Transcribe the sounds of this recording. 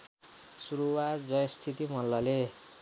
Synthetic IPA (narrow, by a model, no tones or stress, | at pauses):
suɾuwatd͡zʌjʌst̪ʰit̪imʌlːʌle